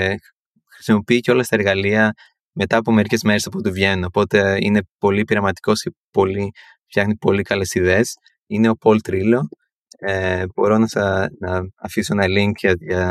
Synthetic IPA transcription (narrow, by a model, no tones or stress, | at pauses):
xɾi̥simo̞piiceo̞lɐst̪ɐeɾɣɐliɐ | me̞t̪ɐːpo̞me̞ɾice̞zmeɾe̞sɐpot̪̬ivʝe̞nunopo̞t̪e̞ḭne̞po̞lipiɾɐmɐt̪i̥ko̞scepo̞li | ft̪jçɐxnipo̞likɐle̞siðeːs | ine̞o̞po̞lt̪ɾilo̞ | eb̥o̞ɾo̞nɐsɐnɐːfiso̞enɐliŋkɐʝɐ